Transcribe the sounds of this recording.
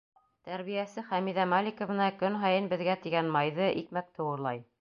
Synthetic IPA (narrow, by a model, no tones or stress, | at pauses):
t̪æɾβijæsɘχæmiðæmalʲikŏvɤ̆nɑkɵnɦɑjɤnbɘ̆ðɡæt̪iɡænmɑjðɤʔikmæk̚t̪ʰɤ̆wɤ̆ɾlˠɑj